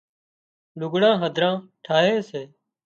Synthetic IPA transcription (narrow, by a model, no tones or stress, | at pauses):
lʊɡɽãːɦəd̪ʱɾãːʈʰaːɦẽːseː